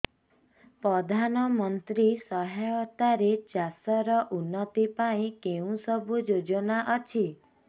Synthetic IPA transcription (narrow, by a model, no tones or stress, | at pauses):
pɾɔd̪ʱanɔmɔnt̪ɾisɔɦaɔt̪aɾet͡ʃasɔɾɔʔunːɔt̪ipaĩkeũsɔbʱud͡ʒod͡ʒɔnaʔɔt͡ʃʰi